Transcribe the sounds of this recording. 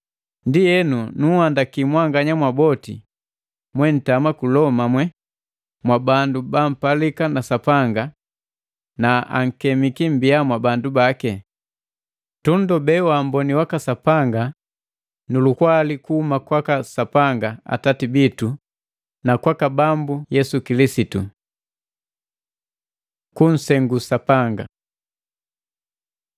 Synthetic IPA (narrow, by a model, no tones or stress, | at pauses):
ndijɛnunuhandakimwaŋɡaɲamwabɔtḭ | mwɛn̩tamakulɔmamwɛ | mwabandubam̩palikanasapaŋɡa | naa̰ŋ̩kɛmikim̩biamwabandubakɛ | tundɔbɛwam̩bɔniwakasapaŋɡa | nulukwalikuːmakwakasapaŋɡaa̰tatibitu | nakwakabambujɛsukilisitu | kun̩sɛŋɡusapaŋɡa̰